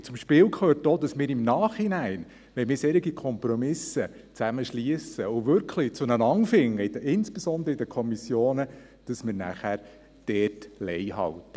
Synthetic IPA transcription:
t͡sʊmʃpɪːwkχøːrtodɑsmɪːɾɪmnɑːχinæɪn | ʋɛmɪːɾsɛɾiɡikʰɔmpɾɔmɪsət͡sæməʃliəsəʊʋʏɾkʰlit͡sʊnənɑŋfɪŋːəɪdəɪnsb̥esɔnd̪ɾəɪd̥əkʰɔmisjoːnə | d̥ɑsmɪːɾnæ̰χæɾ | d̥ɛːtlɛjhɑ̰ltə

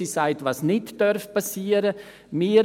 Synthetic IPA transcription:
isaɪtvɑːsnɪtd̥œɾfpɑsiːəɾə | miːɾ

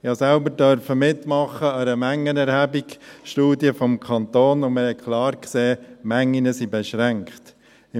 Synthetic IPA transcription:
ɪhɑsælbəɾdœɾfəmɪtːmɑχːəəɾəmæŋːənɛɾhæbikʃtuːdiəfɔmkʰɑnt̪oːnʊməhɛkʰlɑːɾkseːmæŋːinəsibɛʃɾæŋkχt | ɪ

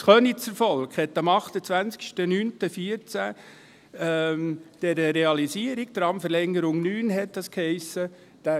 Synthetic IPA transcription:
sχœnit͡səɾfɔlkhɛtːɑmɑχt̪ət͡sʋænt͡skʃtənyːntəfiəɾt͡sæ | md̥ɛɾəɾeɑlisiəɾiɡ̥d̥̪ɾɑmfəɾlɛŋːəɾʊŋnyːnɦɛt̚dɑskhɛɪsə | d̥æ

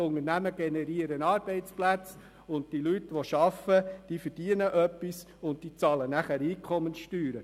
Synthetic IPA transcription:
ʊŋənæməɡ̥enɛɾiəɾənɑːɾb̥ɛɪt͡splæt͡s | ʊnt̚tilytʋoʃɑfəd̥iːfəɾd̥iənəʔœpːis | ʊnt̚tiːt͡sɑːlənæχæɾiːkʰχɔmənsʃtyːɾə

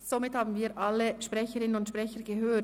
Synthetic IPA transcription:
z̥omɪthaːbn̩viːʔalːəʃpʁɛçəɾɪnənʊntʃpʁɛçəɡəɦøː

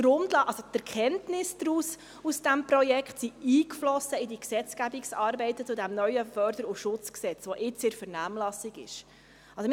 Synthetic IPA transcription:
dɾʊmdlɑʔɑlsot̪ɛɾkχɛntnɪsd̥̪ɾuːs | usd̥æmprɔjɛkχtsiiːkflɔsəidiksɛt͡sɡ̥æbiksɑːɾbɛɪtət͡sudæmnœʏjəfœɾd̪əɾuʃʊt͡sksɛt͡sʋɔʔɪt͡sɪɾfəɾnæːmlɑsiɡɪ̰ʃ | ɑlsɔ

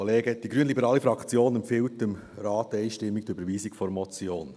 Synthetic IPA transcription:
oleːɡəd̥iɡɾyənlibəɾɑːlifɾɑkʰt͡sjoːnɛmpfɪltɪmɾɑːtɛɪʃtɪmːik̚tybəɾʋiːsikfɔɾmɔt͡sjoːn

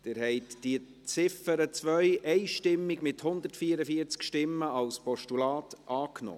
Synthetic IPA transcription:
d̪̥ɪɾhɛɪtd̥iə | t͡sɪfəɾət͡sʋœʏʔɛɪʃtɪmːɪɡmɪthʊnd̪əɾtfiəɾəfiəɾt͡skʃtɪmːəɑlspɔʃtulɑːtʔɑːknɔ̰ː

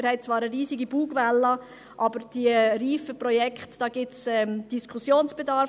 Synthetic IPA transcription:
ɾhɛɪt̚t͡sʋɑːɾəɾiːsiɡib̥uːɡvɛlːɑ | ʔɑbəɾd̥iəriːfəpɾɔjɛkχtd̥ɑːɡɪt͡sɛmd̥iskʰusjoːnsb̥ed̪ɑɾ

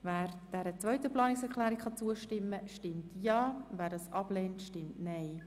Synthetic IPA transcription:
væːɾd̥ɛɾət͡sʋœɥtəplɑːnɪksɛkʰlæːɾikχɑt͡suəʃtɪmːəʃtɪmtʰjɑːvæːɾdɑsʔɑb̥lɛːntʃtɪmtnɛɪ

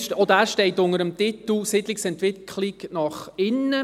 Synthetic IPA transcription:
od̪æːʃtɛɪtʊnəɾəmt̪ɪt̪l̩sid̪lɪksɛntʋɪkʰlɪknɑχɪnːə

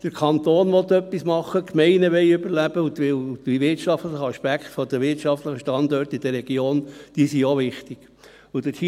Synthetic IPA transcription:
d̥əɾkʰɑnt̪oːnʋɔt̪œpːismɑχːəkmɛɪnəʋɛɪybəɾlæb̥əutʋɪldʋiʋɪɾtʃɑftləχəɑʃpækχt̪fɔd̪əʋɪɾtʃɑft̪ləχəʃtɑnd̪ɔːɾt̪id̥̪əɾɛɡ̥joːnd̥iːsioʋɪχt̪iɡ̥ | ud̥̪əi

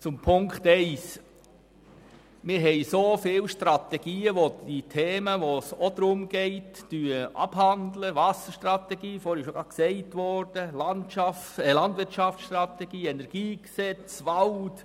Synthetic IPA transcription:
t͡sʊmpʰʊŋkχtɛɪs | mɪɾɦɛɪsofɪːlʃtɾɑt̪ɛɡiːəʋoditʰeːməʋosod̪ɾʊmɡ̥ɛɪtːyəʔɑ̰b̥ɦɑndləʋɑsəʃtrɑt̪ɛɡiːfɔːɾɪʃoɡ̥ɑksɛɪtʋɔɾd̥əlɑntʃɑftlɑndʋɪɾtʃɑft͡ssʃtrɑtɛɡiːɛnɛɾɡ̥iːksɛt͡sʋɑlt

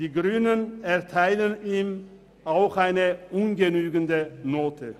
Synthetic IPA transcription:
d̥iːɡʁyːnənɛɐtʰaɪləniːm | ʔaʊxʔaɪnəʔunɡənyːɡəndənoːtʰə

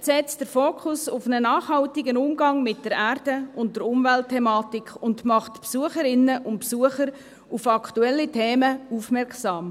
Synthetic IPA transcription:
sɛt͡sd̥əɾfoːkʰʊsʊfnənɑːχhɑltɪɡənʊmɡɑŋmɪt̚d̥əɾæːrd̥əʊnt̚d̥əɾʊmvɛltʰːɛmɑːtɪkʰʊndmɑχtpsuəχəɾɪnəʔʊntpsuəχəɾ | ʊfɑkʰtuɛlːitʰeːməufmɛrksɑːm

